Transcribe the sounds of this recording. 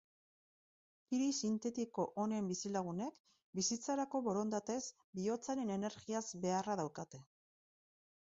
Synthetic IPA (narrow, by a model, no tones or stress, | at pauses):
kiɾisint̪e̞t̪iko̞ʔonembisilaɣ̞une̞k | bisit͡saɾako̞βo̞ɾo̞nd̪at̪e̞z | bio̞t͡saɾe̞ne̞ne̞ɾɣiazbe̞araðawkat̪e̞